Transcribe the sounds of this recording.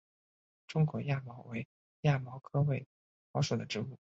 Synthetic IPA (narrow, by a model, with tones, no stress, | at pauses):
ʈ͡ʂʊ˥ŋkwɔ˧˥ja˥˩mɑ˧˥ʊwe˧˥ɪ | ja˥˩mɑ˧˥ʊkʰɤ˥we˥˩ɪ | mɑ˧˥ʊʂo˨˩d̪ə˦ʈ͡ʂɻ̩˧˥u˥˩